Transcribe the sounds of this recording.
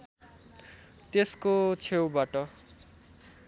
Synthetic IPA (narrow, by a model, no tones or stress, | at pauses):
t̪eskot͡sʰewbaʈʌ